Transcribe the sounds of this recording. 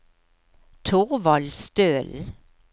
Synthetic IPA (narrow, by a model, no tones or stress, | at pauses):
t̪ʰʊʁʋɑlst̪øːl